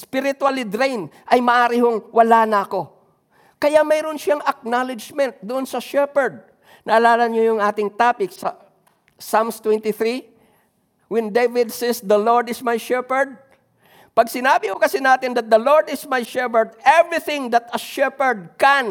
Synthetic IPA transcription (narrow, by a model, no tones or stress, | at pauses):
spɪɾɪt̪walid̪ɾejnʔɐjmɐʔaːɾɪhoŋwɐlanɐɐko̞ | kɐjamɐjɾʊnʃaŋɐk̚nalɪd͡ʒmɛnt̪̚d̪ʊʔonsɐʃɛpɛɹd̪̚ | nɐʔɐlaːlɐnɲojʊŋʔaːt̪ɪŋt̪aːpɪk̚sɐ̰ | samst̪wɛnt̪ɪθɾi | wɛnd̪evɪd̪sɛsd̪ɐloɹd̪ɪsmajʃɛpɛɹd̪̚ | pɐɡ̚sɪnaːbɪhokɐsɪnaːt̪ɪnd̪ɐt̪̚d̪ɐloɹd̪ɪsmajʃɛpɛɹd̪̚ɛvɹɪθɪ̃ŋd̪ɐt̪ɐʃɛpɛɹd̪̚kɛn